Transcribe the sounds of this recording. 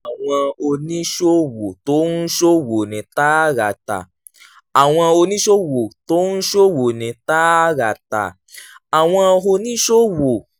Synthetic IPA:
a˨w̃ɔ̃˧o˧nĩ˦ʃo˦wo˨to˦n̩˦ʃo˦wo˨nĩ˨˦ta˦ɾa˨ta̰˨ | a˨w̃ɔ̃˧o˧nĩ˦ʃo˦wo˨to˦n̩˦ʃo˦wo˨nĩ˨˧ta˦ɾa˨ta̰˨ | a˨w̃ɔ̃˧o˧nĩ˦ʃo˦wo˨

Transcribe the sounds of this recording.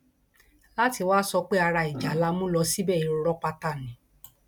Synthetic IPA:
la˦ti˧waː˦sɔ˧k͡pe˦a˧ɾa˧i˨d͡ʒa˨˦la˧mũ˦lɔ˧˦si˦bɛ˦˨i˨ɾo˧˦ɾɔ˦k͡pa˧ta˦˨nĩ˨˦

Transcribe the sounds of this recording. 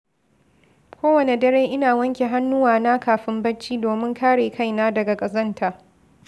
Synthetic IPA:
kʷoː˦wɐ˨ne˨dɐ˦ɽeː˦ʔɪ˦naː˨wɐ˦ŋkʲe˨ɦa˦nːʊ˦waː˨na˦kaː˨ɸɪ˦mbɐ˦t͡ʃːiː˦doː˨mɪ˦ŋkʰaː˦ɽeː˨ka˦jnaː˦dɐ˨ɡa˨kʼɐ˨zɐ˦ntʰaː˨

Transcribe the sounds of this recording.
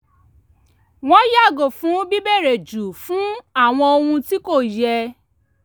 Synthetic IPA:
w̃ɔ̃˦ja˦˨ɡo˨fũ˨˦bi˦bɛ˦˨ɾe˨d͡ʒu˨fũ˨˦a˦˨w̃ɔ̃˧o˧hũ˧ti˦ko˦˨jɛ˧

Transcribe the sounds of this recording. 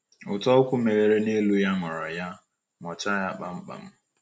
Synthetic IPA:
ʊ˨tɔ˦ʊ˦kʷʊ˦me˨ɾe˨ɾe˦ne˦lu˦ja˦ŋʷa˨ɾa˨ja˦ | ŋʷɔ˨t͡ʃa˦ja˦k͡pa˦m̩˦k͡pa̰˨m̩˦

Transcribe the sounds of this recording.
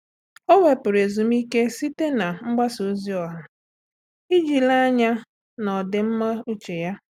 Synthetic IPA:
o˦we˨pʊ˨ɾe˨zu˨m̩i˦ke˦si˦te˦na˨ŋ͡m̩˦ɡ͡ba˦su˨˦zi˦ɔ˨ɦa˨ | i˦d͡ʒi˨la˦ɲa˦ | nɔ˨dɪ˨m̩˦ma˦u˦t͡ʃe˨ja˦

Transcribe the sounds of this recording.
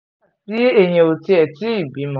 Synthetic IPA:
ti˦e˦˨ɲ̃ẽ˨o˨ti˧ɛ˨ti˦i˦˨bi˨˦mɔ̃˨

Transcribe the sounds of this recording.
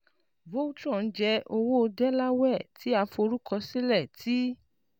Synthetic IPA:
vo˦u˦t͡ʃɔ̃˦˨n̩˦d͡ʒɛ˧ʔo˧wo˦o˧dɛ˦la˦wɛ˦˨tʰi˨˦a˧fo˧ɾu˦kɔ˧si˦lɛ˦˨ti˦

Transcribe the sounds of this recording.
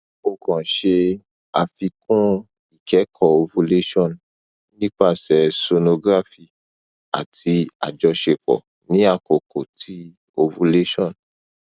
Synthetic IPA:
o˨kɔ̃˨ʃe˧ | a˧fi˧kũ˦ | i˨kɛ˨˦kʰɔ˦˨o˧vũ˧˦le˦ʃɔ̃˦˨n | nĩ˦k͡pa˦˨sɛ˨so˧no˧ɡɾa˦fi˧ | a̰˨tʰi˧a̰˨d͡ʒɔ˧ʃe˧k͡pɔ̰˨ | nĩ˨˦a˧ko˨ko˨tʰi˦ | o˧vũ˧˦le˦ʃɔ̃˦˨n

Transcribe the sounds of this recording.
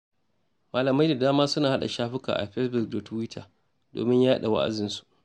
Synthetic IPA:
maː˨lɐ˨ma˦jda˨daː˦maː˦sʊ˦naː˨ha˦ɗa̰˨ʃaː˦ɸɪ˦ka̰ː˨ʔa̰˨ɸɛ˦sbʊ˨k̚do˨tu˦wɪ˦tʰaː˨ | do̰ː˨mɪ˦ɲjaː˦ɗa̰˨wa̰˦ʔa̰˨zɪ˨nsu̥˨ʔ

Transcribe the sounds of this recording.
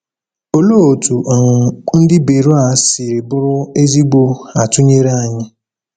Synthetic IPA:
o˨lo˦o˨tu˨ʔɔ˨ŋʊ˨n̩˦dɪ˦be˨ɾo˦a˨˦sɪ˨ɾe˨bʊ˦ɾʊ˦e˦zi˦ɡ͡bo˦a˨tʊ˦ɲe˦ɾa˦˨ɲɪ˦

